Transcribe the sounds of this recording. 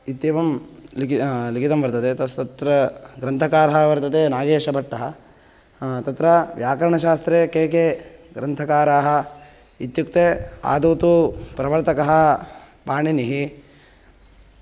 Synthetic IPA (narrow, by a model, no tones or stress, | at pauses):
it̪ːjeːʋɐmllikʰit̪ɐmʋɐɾt̪ɐt̪eːt̪ɐst̪ɐt̪ɾɐɡɾɐnt̪ʰɐkaːɾɐɦɐʋɐɾt̪ɐt̪eːnaːɡeːʂɐbʱɐʈːɐɦɐ | t̪ɐt̪ɾɐʋjaːkɐɾɐɳɐʃaːst̪ɾeːkeːkeːɡɾɐnt̪ʰɐkaːɾaːɦɐ̆ | it̪juk̚t̪eːa̰ːd̪uːt̪upɾɐʋɐɾt̪ɐkɐɦɐ̆ | paːɳiniɦi